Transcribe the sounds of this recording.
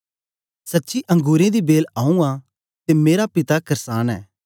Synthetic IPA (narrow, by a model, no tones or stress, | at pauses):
sɐtːʃiʔɐ̃ŋɡuːɾẽd̪ibeːlãːũã | t̪emeːɾapɪt̪akɐɾsaːnɛ̰ː